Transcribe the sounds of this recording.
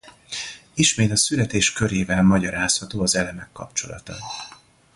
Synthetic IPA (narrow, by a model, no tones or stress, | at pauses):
iʃmeːt̪ɒsylɛt̪eːʃkø̞ɾeːvɛlmɒɟɒɾaːshɒt̪oːɒzɛlɛmɛkːɒ̰pt͡ʃo̞̰lɒ̰t̪ɒ̰